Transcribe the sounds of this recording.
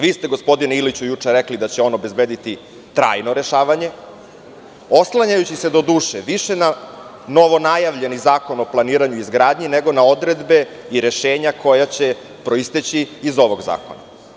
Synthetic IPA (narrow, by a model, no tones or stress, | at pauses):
ʋiːst̪e̞ɡo̞spo̞d̪ineilit͡ɕujut͡ʂeɾeklid̪at͡ɕeo̞nobe̞zbeːd̪it̪i | t̪ɾa̰ːjno̞ɾe̞ʃaːʋaɲe̞ | o̞slˠaɲajut͡ɕised̪o̞d̪uːʃeʋiʃe̞na | no̞ʋo̞najaʋʎe̞nizaːko̞no̞plˠaniːɾaɲuizɡɾaːd̪ɲineɡo̞naod̪ɾe̞d̪be̞ | iɾe̞ʃe̞ːɲako̞jat͡ɕe̞ | pɾo̞ist̪et͡ɕiːzo̞ʋo̞ɡza̰ːko̞̰na̰